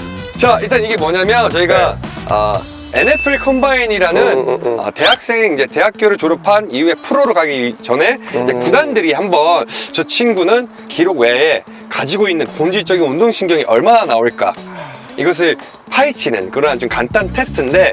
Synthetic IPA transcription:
t͡ɕaiɭt̬͈aniɡe̞mwʌɲamjʌnt͡ɕʌiɡaʌ̰ | e̞ne̞pʰɯɭkʰʌmbaiɲiɾanɯnʌ̰te̞ɦak̚s͈e̞ŋeind͡ʑe̞te̞ɦak̚k͈joɾɯɭt͡ɕoɾʌpʰaniue̞pʰɯɾoɾokaɡiɥit͡ɕʌne̞iɲd͡ʑekudandɯɾihambʌnt͡ɕʌt͡ɕʰinɡunɯn | kiɾoɡwe̞e | kad͡ʑiɡoinːɯnkoŋd͡ʑit͡ɕ͈ʌɡinundoŋɕʰiŋɡjʌŋiʔʌɭmananaoɭk͈a̰ | iɡʌs̬ʰɯɭ | pʰait͡ɕʰinɯ̰nkɯɾʌnat͡ɕomkant͈antʰe̞stʰɯnde̞

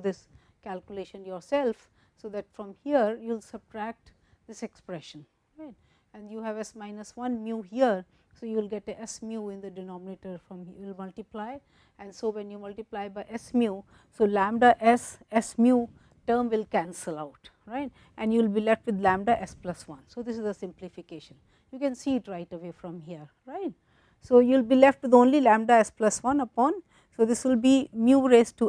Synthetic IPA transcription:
d̪ɪs | kælkjʊleːʃə̃njɔːɾsɛlf | soːd̪æʈfɾɔ̃mhiəɾjuɪlsəb̚ʈɾæk̚ʈ | d̪ɪsekspɾɛʃə̃n | ɾaɪʈ | ɛ̃njuːɦæʋɛsmaɪnəsʋʌ̃nmjuːɦiəɾ | soːjuːɪlɡɛʈə̃ʔɛsmjuːɪ̃nd̪əɖɪnɔːmɪneʈəɾfɾɔ̃mɪlmʌlʈiplaɪ | ɛ̃nsoːʋɛ̃njuːmʌlʈiplaɪbaɪʔɛsmju | soːlæ̃mɖaʔɛsɛsmjuː | ʈəːɾmʋɪlkæ̃nsəlaʊʈɾaɪʈ̚ | ʔɛ̃njulbilɛfʈʋɪd̪læ̃mɖaʔɛsplʌsʋʌ̃nsoːd̪ɪsɪzəsɪ̃mplɪfɪkeːʃə̃n | juːkɛ̃nsiɪʈɾaɪʈəʋeːfɾɔ̃mɦiəɾ | ɾaɪʈ̚ | soːjulbiːlɛfʈʋɪd̪õːnlilæ̃mɖaɛsplʌsʋʌ̃nəpɔ̃n | soːd̪ɪsʋɪlbimjuɾeːsʈu

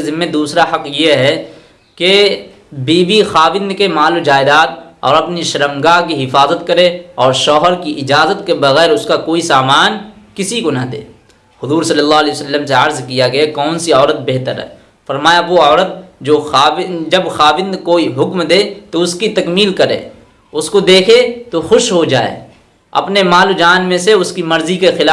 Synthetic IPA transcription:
zɪmːẽd̪uːsɾahɐqjeɦɛ | ke | biːbixaːwɪ̃nd̪kemaːlod͡ʒaːɪd̪aːt̪ɔ̰ːɾɐpniʃɐɾəmɡak̬iɦɪfaːzət̪kɐɾeɔːɾʃɔːɦəɾkiʔɪd͡ʒaːzət̪kebɐɣɛːɾʊskakoːisaːmaːnkɪsikonad̪ḛː | hʊzuːɾsɐlːəlːaːɦlɛːsəlːəmseɐɾzkijaɡɐjakɔːnsiɔːɾət̪̚beɦt̪əɾɦɛ̰ː | fɐɾmaːjaʋoɔːɾət̪̚d͡ʒoːxaːɪd͡ʒɐbxaːʋɪ̃nd̪koːiɦʊkmd̪eːt̪oʊskit̪ɐkmiːlkɐɾḛː | ʊskod̪eːkʰet̪oxʊʃɦod͡ʒa̰ːḛː | ɐ̰pnemaːlod͡ʒaːnmẽseʊskimɐɾzikexɪlaː

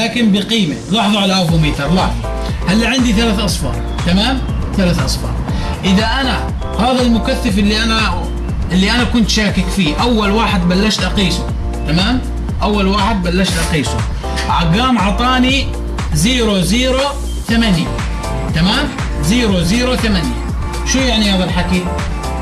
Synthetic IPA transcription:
laːkɪmbiqiːmalɑħðˤɑʕalaʔafumiːt̪ɑɾˤlɑħðˤ | halːaʕɪnd̪iθalaːθʔɑsˤfɑ̰ːɾˤ | t̪amaːmθalaːθʔɑsˤfɑ̰ːɾˤ | ʔɪðaʔana | haːðalmʊkaθːafɪlːiʔana | ʔɪlːiʔanakʊnt̪ʃaːkɪkfiːʔawːalwaːħɪd̪balːaʃt̪ʔɑqiːsu | t̪amaːm | ʔawːalwaːħɪd̪̚balːaʃt̪ʔɑqiːsṵ | ʕaɡaːmʕɑt̪ˤɑːni | ziːɾoziːɾo | θamanja | t̪amaːm | ziːɾoziːɾoθamanja̰ | ʃuːjaʕnihaːðalħaki

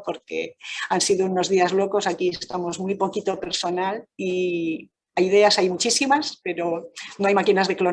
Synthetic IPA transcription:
po̞ɾke̞̰ansiðouno̞zðiazlo̞ko̞sakie̞st̪amo̞zmwijpo̞kit̪o̞pe̞ɾso̞nali | ajiðe̞asajmut͡ʃisimaspe̞ɾo̞noajmakinazðe̞klo̞

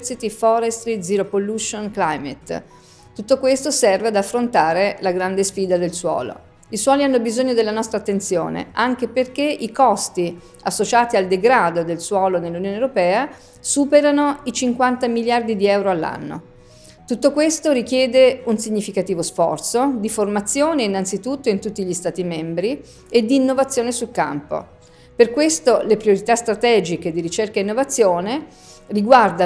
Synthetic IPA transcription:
sit̪ifɔɾest̪ɾid̪ziɾopoluʃonklajmḛt̪ | t̪ut̪ːokwest̪osɛrvead̪afːɾont̪aːɾelaɡɾand̪esfiːd̪ad̪elswɔ̰ːlo̰ | iswɔːlianːobizoɲːod̪elːanɔst̪ɾat̪ːent̪sjo̰ːnḛʔaŋk̟eperk̟eʔikɔst̪i | asːot͡ʃaːt̪iald̪eɡɾaːd̪od̪elswɔːlonelːunjoːnewɾopɛːa | suːpeɾanoit͡ʃiŋkwant̪amiljard̪id̪iɛwɾoalːa̰nːo̰ | t̪ut̪ːokwest̪oɾik̟jɛːd̪eunsiɲːifikat̪iːvosfɔrt̪sod̪iformat̪sːjoːneinːant̪sit̪ut̪ːoint̪ut̪ːiʎist̪aːt̪imɛmbɾi | ed̪ːiːnːovat̪sːjoːnesulka̰mpo̰ | perkwest̪olepɾijoɾit̪ast̪ɾat̪ɛːd͡ʒiked̪iɾit͡ʃerkaeinːovat̪sːjoːne | riɡward̪a

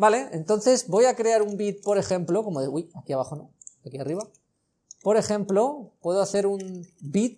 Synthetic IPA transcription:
bale̞ḛnt̪o̞n̟θe̞zbo̞jakɾe̞aɾumbit̪̚po̞ɾe̞xe̞mplo̞ko̞moðeujakiaβ̞aχonoakiariβa | po̞ɾe̞xe̞mplo̞pwe̞ðoaθe̞ɾumbit̪̚

